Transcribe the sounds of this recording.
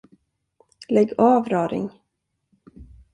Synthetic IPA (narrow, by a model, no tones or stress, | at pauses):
lɛɡːɑːvɾɑːɾɪ̰ŋ